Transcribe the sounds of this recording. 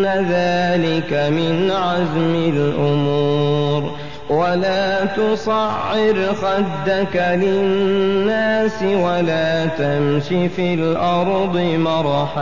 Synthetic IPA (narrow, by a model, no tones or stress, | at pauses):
aðaːlɪkamɪnʕazmɪlʔʊmuːɾ | walaːt̪ʊsˤɑʕːɪɾxad̪ːakalɪnːaːsɪwalaːt̪amʃifiːlʔɑɾˤd̪ˤɨmɑɾˤħa